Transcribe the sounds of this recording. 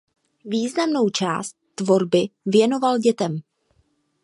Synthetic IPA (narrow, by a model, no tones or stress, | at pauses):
viːznamno̞wt͡ʃa̰ːst̪̚ːvo̞ɾbɪvjɛno̞valɟɛt̪ɛm